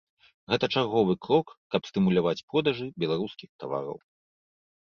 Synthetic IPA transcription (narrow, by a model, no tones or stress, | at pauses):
ɣɛt̪ɐt͡ʂarɣɔvɨkɾɔkːɐpst̪ɨmulʲavat͡sʲpɾɔd̪aʐɨbʲɛlˠaɾuskʲixt̪ava̰ɾɐ̰w